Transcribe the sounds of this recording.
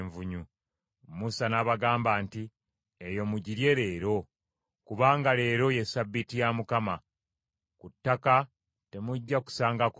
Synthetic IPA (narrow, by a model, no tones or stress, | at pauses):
ɱvuɲu | musanaβaɡaːmbaːnti | ejo̞muɟiɾje̞ɾe̞ːɾo̞ | kuβaːŋɡale̞ːɾo̞je̞sabːitijamukama | kutːaka | te̞muɟːaku̥saːŋɡak